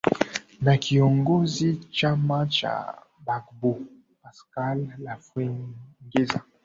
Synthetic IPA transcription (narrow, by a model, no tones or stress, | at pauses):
nakiɔŋɡɔzit͡ʃamat͡ʃa̰ | bakbo | paskalːafeŋɡeza